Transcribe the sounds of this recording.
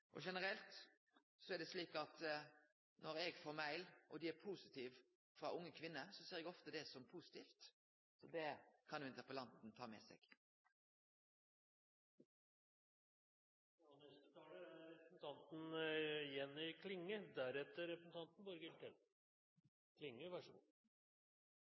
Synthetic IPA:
ʔɔ̰ʂɛnəɾɛlt̪ | sɔæd̪ɛsliːkɑt̪ | nɔɾɛɡfoːɾmæɪlʔɔd̪ɪæɾpʰuːsɪt̪ʰiːʋ | fʁɑʔʊŋːəkʰʋɪnːəsɔseːʁɛɡɔft̪əd̪ɛsɔmpʰuːsɪ̥t̪ʰiːft̪ | sɔd̪ɛkʰɑnːɪnt̪əʁpəlɑnt̪n̩t̪ʰɑːmɛ̰sɛ̰ɡ̥ | nɛst̪ət̪ʰɑːləɾɛpɾsn̩t̪ʰɑnt̪n̩jɛnːœkʰlɪŋːəd̪æɾɛt̪ːəɾɛpɾəsn̩ʰɑnt̪n̩bɔɾɡɪlt̪ʰɛl | kʰlɪŋːəʋæʂṵ

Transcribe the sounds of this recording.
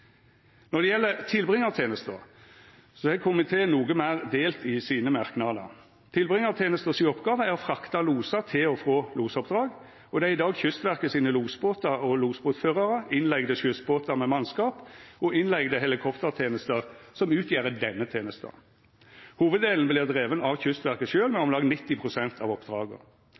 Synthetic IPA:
nɔd̪ɛjɛlːət̪ʰɪlbʁɪŋːɑt̪ʰeːnəst̪ə̰ʁ | sɔɛkʰʊmɪt̪ʰeːnuːɡəmæːʁd̪eːlt̪ɪsiːnəmɑʁknɑʁd̪ə̰ | t̪ʰɪlbʁɪŋːɑt̪ʰeːnəst̪əsɪɔpɡɑːʋəæʁfʁɑkt̪ɑluːsɑt̪ʰɪlɔfʁoːluːsɔp̚d̪ʁɑːɡ | ɔd̪ɛæɪd̪ɑːɡçʏst̪ʋæʁkəsiːnəluːsboːt̪ɑʁɔluːsboːt̪føːʁɑʁəɪnlɛɡd̪əɕʏst̪̚boːt̪əʁmɛmɑnskɑːpɔɪnlɛɡd̪əɦɛlɪkʰɔpt̪əʁt̪ʰeːnəst̪əʁsɔmʉːt̪ʰjeːʁəd̪ɛnːət̪ʰeːnəst̪ə̰ | huːʋəd̪d̪eːln̩blɪːʁd̪ʁeːʋənɑʋçʏst̪ʋæʁkəʃøːlmɛɔmlɑɡnɪt̪ːɪpʰʁʊsɛnt̪ʰɑ̰ʋɔpd̪ʁɑːɡə̰

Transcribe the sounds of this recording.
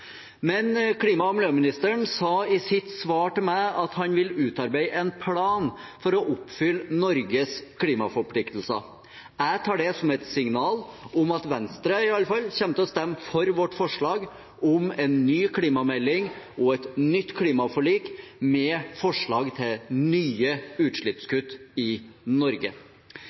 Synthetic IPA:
mɛnkʰliːmɑɔmløːmɪnɪst̪əɳsɑːɪsɪt̪sʋɑːʈɪmæɑt̪hɑnʋɪlʉːt̪ɑɾbæɪʔɛnpʰlɑːnfɔɾɔʔʊpːfʏlːnɔɾɡəskʰliːmɑ̰fɔɾpʰlɪkt̪l̩sə̰ | æt̪ʰɑːɖɛsɔmɛt̪sɪŋnɑːlɔmɑt̪ʋɛnst̪ɾəɪɑlːəfɑlçɛmt̪əɔst̪ɛmːfɔɾʋɔʈːfɔʂɭɑːɡ | ʔʊmɛnːyːkʰliːmɑmɛlːɪŋ | ɔɛt̪nʏt̪ːkʰliːmɑfɔɭiːkmɛfɔʂɭɑːɡt̪ʰɪlnyːəʉːt̪ʂɭɪt̪skʉt̪ːɪnɔɾɡə̰

